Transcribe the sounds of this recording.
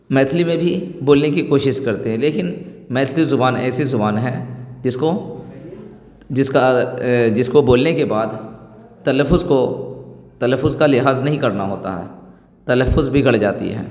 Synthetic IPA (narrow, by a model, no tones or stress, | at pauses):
mɛːt̪ʰlimẽbʱiboːlnek̬ikoːʃɪʃkɐɾt̪eɦɛ̃leːkɪnmɛːt̪ʰlizʊbaːnɛ̰ːsezʊbaːnɦɛ̃d͡ʒɪsko | d͡ʒɪskad͡ʒɪskoboːlnekebaːd̪ | t̪ɐləfʊzko | t̪ɐləfʊzkalɪɦaːznɐɦĩkɐɾnaɦoːt̪a̰ɦɛ̰ː | t̪ɐləfːʊzbʱiɡɐɽd͡ʒaːt̪ḭɦɛ̰ː